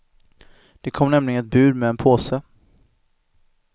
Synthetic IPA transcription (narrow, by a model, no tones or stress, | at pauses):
d̪̥ɛkʰɔmːnɛmlɪɡənɛt̪̚bʉ̟ːd̪mɛːnpʰoːsə